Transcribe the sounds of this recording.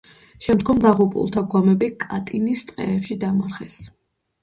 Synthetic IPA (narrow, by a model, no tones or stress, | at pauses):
ʃɛmd̪ɡɔmd̪aʁupʼṵlˠt̪ʰaɡwamɛbikʼat̪ʼinist̪ʼqʼɛ̰ɛpʃid̪amaɾχɛs